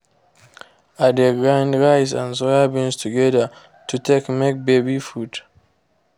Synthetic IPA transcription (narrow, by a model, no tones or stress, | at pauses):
adeɡɹãndɹaɪzã̰nsohabĩnstʰuɡɛðə | tʰutʰekmek̚bebifud